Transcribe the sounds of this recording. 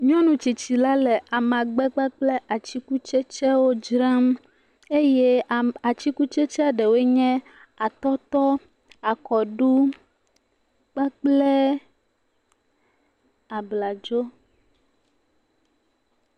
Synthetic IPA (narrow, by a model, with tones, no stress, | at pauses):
ɲɔ̃˦nũ˨t͡ʃi˨t͡ɕi˨la˦lɛ˨ʔa˨mã˨ɡ͡bɛ˦k͡pa˦k͡plɛ˦ʔa˨t͡ɕi˦ku˦t͡ʃɛ˦t͡ʃɛ˦wo˦d͡ʒɾã˦m | e˦jɛ˦a˨t͡ɕi˦ku˦t͡ʃɛ˦t͡ʃɛ˦a˨ɖɛ˨we˦ɲɛ̃˦ | a˨t̪ɔ˦t̪ɔ˦ | a˨kɔ˨ɖu˦ | k͡pa˦k͡plɛ˦ | a˨bla˨d͡ʒo˦